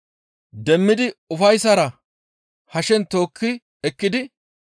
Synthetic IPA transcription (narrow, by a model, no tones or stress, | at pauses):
d̪ɛmːɪd̪ɪʊfɐjsɐɾɐ | hɐʃɛnt̪o̞ːkʰːɪ | ɛkːɪd̪ɪ